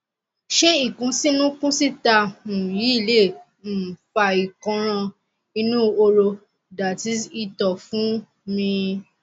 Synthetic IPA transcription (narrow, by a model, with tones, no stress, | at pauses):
ʃe˦i˦˨kũ˨˧˦si˦nũ˦kũ˦si˦ta˧ũ˨ji˨˦i˦˨le˦˨ | fa˧˨i˨kɔ̃˧ɾ̃ɔ̃˧ | i˧nũ˦o˧ɾo˧ | da˨ti˧˦i˧tɔ˨fũ˨˦ | mĩ˧